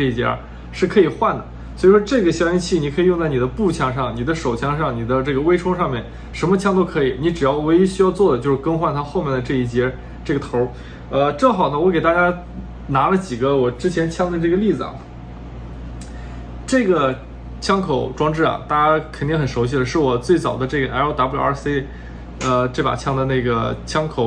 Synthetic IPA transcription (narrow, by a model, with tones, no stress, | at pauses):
ɤ˥˩i˥˩t͡ɕjɛ̰˥ | ʂɻ̩˥˩kʰɤ˧˥i˨˩xwa˥˩nd̪ə˩ | swɔ˧˥i˨˩ʂwɔ˥ʈ͡ʂɤ˥˩ɡə˩ɕjɑ˥ŋt͡ɕʰi˥˩ni˨kʰɤ˧˥i˨˩jʊ˥˧ŋ˧t͡sa˥˩ɪni˨˩d̪ə˦pu˥˩t͡ɕʰjɑ˥ŋʂɑ˥˩ŋni˨˩d̪ə˦ʂo˨˩ʊt͡ɕʰjɑ˥ŋʂɑ˥˩ŋni˨˩d̪ə˦ʈ͡ʂɤ˥˩ɡə˩we˥ɪʈ͡ʂʰʊ˥ŋʂɑ˥˧ŋmjɛ˥˩n | ʂə˧˥nmə˧t͡ɕʰjɑ˥ŋt̪o˥ʊkʰɤ˧˥i˨˩ni˧˥ʈ͡ʂɻ̩˨˩jɑ˥˩ʊwe˧˥ɪi˥ɕy˥jɑ˥˧ʊt͡swɔ˥˩d̪ə˩t͡ɕjo˥˧ʊʂɻ̩˥˧˩kɤ˥ŋxwa˥˩nt̪ʰa˥xo˥˧ʊmjɛ˥˩nd̪ə˩ʈ͡ʂɤ˥˧i˥˩t͡ɕjɛ˥ | ʈ͡ʂɤ˥˩ɡə˩t̪ʰo˧˥ | ə˧ʈ͡ʂɤ˥˩ŋxɑ˨˩ʊnə˦wɔ˧˥ke˨˩ɪt̪a˥˩t͡ɕja˥ | na˧˥lə˧t͡ɕi˨˩ɡə˦wɔ˨˩ʈ͡ʂɻ̩˥t͡ɕʰjɛ˧˥nt͡ɕʰjɑ˥˩ŋd̪ə˧ʈ͡ʂɤ˥˩ɡə˩li˥˩d͡zɹ̩˩ɐ̰˨˩ | ʈ͡ʂɤ˥˩ɡə˩ | t͡ɕʰjɑ˥ŋkʰo˨˩ʊʈ͡ʂwɑ˥ŋʈ͡ʂɻ̩˥˩ɐ̰˩t̪a˥˩t͡ɕja˥kʰə˨˩ni˥˩ŋxə˨˩nʂo˧˥ɕ̬i˥˩d̪ə˩ʂɻ̩˥˩wɔ˨˩t͡swe˥˩ɪt͡sɑ˨˩ʊd̪ə˦ʈ͡ʂɤ˥˩ɡə˩ʔa˧˥ɪo˥t̪a˧˥pu˥˩ɑ̰˞˨˩˥se˥ɪ | ə˧ʈ͡ʂe˥˩pa̰˨˩t͡ɕʰjɑ˥˩ŋd̪ə˩na˥˩ɡə˩t͡ɕʰjɑ˥ŋkʰo˨˩ʊ